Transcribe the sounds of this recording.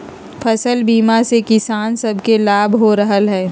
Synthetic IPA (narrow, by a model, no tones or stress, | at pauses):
pʰɐsəlbiːmasekɪsaːnsɐbʱkelaːbʱɦoɾəɦəlɦɛː